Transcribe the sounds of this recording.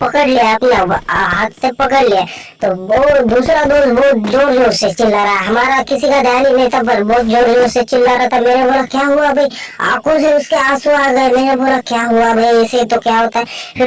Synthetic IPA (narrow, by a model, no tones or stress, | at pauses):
pɐkəɽliaɐpnaɦat̪sepɐkəɽliaː | t̪ood̪uːsɾad̪oːzboːd͡ʒoːɾd͡ʒoːset͡ʃɪlːaɾɐɦaɦɐmaːɾakɪsikad̪aːnineːt̪ap̬ɐɾbɔːt̪̚d͡ʒoːɾd͡ʒoːɾset͡ʃɪlːaɾat̪ʰameːɾebʱoɾakjaːɦuabʱɐia̰ːkõseʊskeaːsoaːɡɐemeːɾebʱoɾakjaːɦuabʱɐiɛːset̪okjaːɦoːt̪aɦɛpʰɪɾ